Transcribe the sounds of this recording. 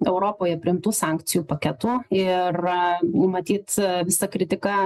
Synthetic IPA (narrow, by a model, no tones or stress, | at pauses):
ɛʊɾoːpoːjɛpʲɾʲɪɪmt̪uːsɑŋkt̪sʲɪjuːpɐkʲɛt̪uːɪrnʊmɐt̪ʲiːt̪ʋʲɪsɐkɾʲɪt̪ʲɪkɑ